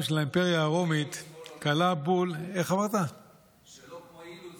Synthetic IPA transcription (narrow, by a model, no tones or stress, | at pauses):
ʃelaimpeʁjaːʁomit̪kalabuleχamaʁt̪a